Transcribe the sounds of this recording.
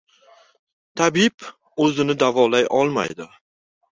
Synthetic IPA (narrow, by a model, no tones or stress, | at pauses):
t̪ʰabɪb | ɵzɪnɪd̪avɒlajʔɒlˠma̰jd̪ɪ